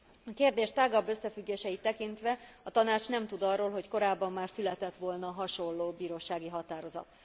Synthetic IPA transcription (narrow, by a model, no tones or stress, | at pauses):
ɒkeːrd̪eːʃt̪aːɡɒbːøsːɛfyɡːeːʃɛit̪ːɛkint̪ʋɛɒt̪ɒnaːt͡ʃnɛmt̪ud̪ɒrːoːlɦo̞cko̞ɾaːbːɒmːaːrsylɛt̪ɛt̪ʋo̞lnɒɦɒʃo̞lːoːbiːɾoːʃaːɡiɦɒt̪aːɾo̞zɒ̰t̪